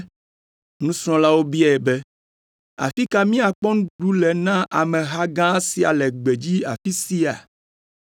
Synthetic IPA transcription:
nũ˦sɔ̃˦la˦wo˦bi˦ɛ˨ɛ˨bɛ˦ | a̰˨fi˦ka˦mĩ˦a˨k͡pɔ˦ŋ̃˦ɖu˦lɛ˨nã˦ʔa˨mɛ̃˨ɦa˦ɡã˦si˨a̰˨lɛ˨ɡ͡be˨d͡ʑi˦a̰˨fi˦si˦a̰˨

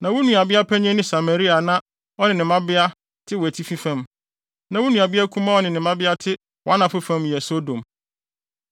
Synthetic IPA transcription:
nã˨wʊ˦nũ˨a˨bɪ˦a˦pʰæ˦ɲ˦ɛ̃˦nɪ̃˦sa˨ma˨ɾi˦a˨nã˦ | ɔ˦nɪ̃˨nɪ̃˨mã˦bɪ˦a˦ | tʰɪ˦wɔ˨æ˨tʰi˦fi˦fã˦m | nã˨wʊ˦nũ˨a˨bɪ˦a˦kʰũ˦mã˦ɔ˦nɪ̃˨nɪ̃˨mã˦bɪ˦a˦tʰɪ˦ | wɔ˨a˦nã˨fʊ˦fã˦mjɛ˨so˦dõ˨m

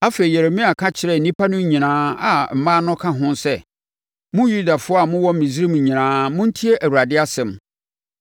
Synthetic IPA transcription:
a˦fe˨i˨jɛ˨ɾe˨mĩ˦a˨kʰã˦t͡ɕʰɪ˨ɾɛ˨nĩ˦pʰa˦nʊ̃˦ɲĩ˨nãː˨˦a˨m̩˨mãː˦nʊ̃˦kʰã˦ɦʊ̃˦nsɛ˦ | mʊ̃˦ju˦da˨fʊ˦a˨mʊ̃˦wɔ˦m̩˨mĩ˨zɾĩ˦m˨ɲĩ˨nãː˨˦mʊ̃˦n̩˦tʰi˦e˦ʔæ˨wu˨ɾa˨dɪ˦a˦sɛ̃˨m

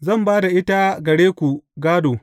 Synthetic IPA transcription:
zɐ˦˨mbaː˦da˨ʔɪ˦ta˦ɡɐ˨ɽeː˦kʷu˨ɡaː˦doː˨

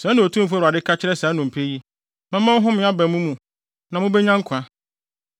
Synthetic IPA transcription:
saː˨˦nʊ̃˨o˨tʰũ˦m̩˨fu˦˨ɾa˨dɪ˦kʰa˦t͡ɕʰɪ˦ɾɛ˦saː˨˦nʊ̃˨m̩˨pʰe˦ji˦ | mɛ̃˦mã˦m˦ɦʊ̃˦mɪ̃˦a˦bɛ˨mũ˦mũ˨ | nã˨mʊ̃˦bɛ˦ɲã˦ŋ̩˦kʷʰã˦

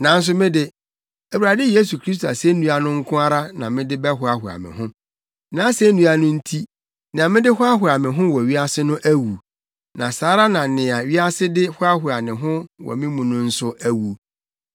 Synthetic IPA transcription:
nã˨n̩˦s̬ʊ˦mɪ̃˦dɪ˦ | æ˨wu˨ɾa˨dɪ˦je˦s̬u˨kʰɾi˦s̬tʰo˨a̰˨se˦nũ˦a˨nʊ̃˦ŋ̩˦kʰʊ̃˦a˦ɾa˦nã˨mɪ̃˦dɪ˦bɛ˦ɦʊ˦a˨hʊ˨a̰˨mɪ̰̃˨hʊ̃˦ | nã˨˦se˦nũ˦a˦nʊ̃˦n̩˦tʰi˦ | nɪ̃˨a˨mɪ̃˦dɪ˦hʊ˦a˦ɦʊ˨a˨mɪ̃˨ɦʊ̃˦wɔ˨ɥi˦a˦sɪ˦nʊ̃˦ʔæ˦wu˨ | nã˨saː˨˦ɾa˦nã˨nɪ̃˨a˨ɥi˦a˦sɪ˦dɪ˦hʊ˦a˦ɦʊ˨a˨nɪ̃˨ɦʊ̃˦wɔ̰˨mɪ̃˦mũ˨nʊ̃˦n̩˦sʊ˦ʔæ˦wu˨

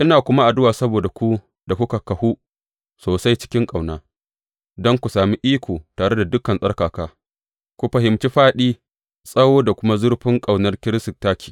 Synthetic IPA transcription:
ʔɪ˦naː˨kʷʊ˦ma˦ʔa˨dʊ˦waː˨sɐ˦boː˨da˨kʷu˦ | da˨kʷʊ˦ka˨kɐ˨hu˦ | soː˨sa˦jt͡ʃɪ̥˦kʲɪ˦ŋkʼa˨wnaː˦ | dɔ˦ŋkʷu˨saː˨miː˦ʔiː˦kʷoː˨taː˨ɽe˦da˨dʊ˦kːɐ˨nsʼɐ˦rkaː˨kaː˦ | kʷu˦ɸɐ˨ɦɪ˨mt͡ʃi˦ɸaː˦ɗiː˦ | sʼɐ˦woː˦da˨kʷʊ˦ma˦zʊ˦rɸɪ˦ŋkʼa˨wnɐ˦rkʲɪ˦ɾɪ˦sɪ˨k̚taː˦kʲʰi̥ː˨

